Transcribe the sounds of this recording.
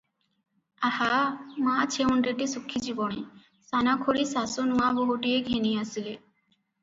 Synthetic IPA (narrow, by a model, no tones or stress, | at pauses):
ahamãt͡ɕʰeonɖeʈisukʰːid͡ʑiboɽe | sanakʰoɽisasonuaboɦuʈieɡʱeniasile